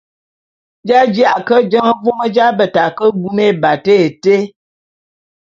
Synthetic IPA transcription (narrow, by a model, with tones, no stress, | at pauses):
d͡ʒa˦d͡ʒja˦ʔkə˦d͡ʒə˦ŋə˦vo˦mə˦d͡ʒa˦bə˨ta˨kə˦bu˦me˦˨ba˨te˦e˨te˦